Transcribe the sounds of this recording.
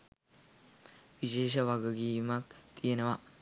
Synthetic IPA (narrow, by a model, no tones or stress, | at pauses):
ʋiʃeːʃɐʋɐɡɐɡiːmɐk̚t̪ijɐnɐʋɐ